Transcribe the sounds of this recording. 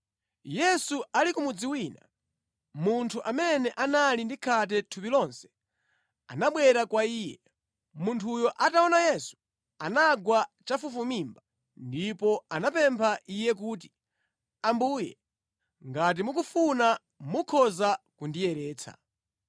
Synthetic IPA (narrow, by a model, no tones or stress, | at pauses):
jɛsualikumud͡ziwiːna̰ | muntʰuʔamɛnɛʔanalindikʰat̬ɛtʰupilɔnsɛ̥ | a̰naɓwɛɾakwaiːjɛ | muntʰujɔʔataɔnajɛsu̥ | anaɡwat͡ʃafufumimba | ndipɔanapɛmpʰaʔijɛk̬uːt̬i̥ | ambuːjɛ̰ | ŋɡat̬imukufuna | mukʰɔzakundijɛɾɛːt͡sʰa̰